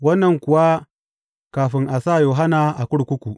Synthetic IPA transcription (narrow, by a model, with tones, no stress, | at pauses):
wɐ˦nːɐ˨ŋkʷʊ˨wa˦ | kaː˨ɸɪ˦ŋʔa˨saː˦˨joː˨ɦa˦naː˨ʔa˨kʷʊ˦ɽkʷʊ˦kʷu˨ʔ